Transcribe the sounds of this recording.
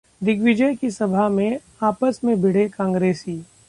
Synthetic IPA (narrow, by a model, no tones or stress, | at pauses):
d̪ɪkʋɪd͡ʒəjkisɐbʱamẽ | aːpəsmẽbʱɪɽ̤ekãːŋɡɾeːsiː